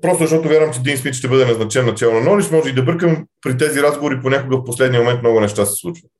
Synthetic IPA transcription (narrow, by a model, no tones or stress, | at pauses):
pɾɔst̪ʊzɐʃt̪ɔt̪ʊvʲjaɾvəmt͡ʃɛd̪insmit̪ʃt̪ɛbɤd̪ɛnɐznɐt͡ʃɛnːɐt͡ʃɛlˠnonɔliʃmɔʒɛid̪ɐbəɾkəmɛpɾit̪ɛziɾazɡovoɾiponʲakʊɡəfposlɛd̪niəmomɛnt̪mnɔɡʊnɛʃt̪asɛ̥slˠut͡ʃvə